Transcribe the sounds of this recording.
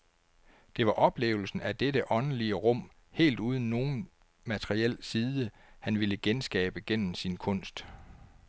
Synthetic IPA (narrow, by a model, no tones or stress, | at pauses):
d̥e̝ʋɑ̈ʔɒ̽b̥le̝̰ːʊl̩sn̩æd̥edəʔɒ̽n̩liəʁɔ̽m̰ | he̝̰ːld̥uːð̞ˠn̩ːo̝ːn̩ | mæt͡sʰeʁiel̰siːðˠə | hænʋiləɡ̥ensɡ̥ɛ̰ːb̥əɡ̥en̰m̩sinkʰɔ̽n̰sd̥